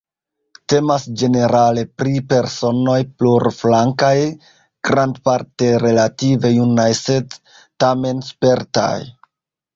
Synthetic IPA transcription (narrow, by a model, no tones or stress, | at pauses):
te̞masd͡ʒe̞ne̞ɾale̞pɾipe̞ɾso̞no̞jpluɾflaŋkaj | ɡ̥ɾandpaɾte̞ɾe̞lative̞junajse̞d | tame̞nspe̞ɾta̰j